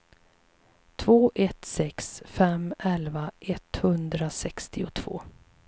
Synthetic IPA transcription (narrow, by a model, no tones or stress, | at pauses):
t̪ʰv̥oːʔɛt̪sɛksfɛmɛlvaʔɛt̪hɵnd̪ɾasɛkst̪ɪʊt̪ʰv̥o̰ː